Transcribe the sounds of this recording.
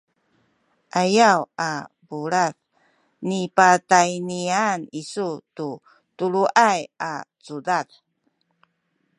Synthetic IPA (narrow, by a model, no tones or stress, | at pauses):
ʔajawa | buɾaθ | nipatajnianisutu | tuluʔajat͡sudat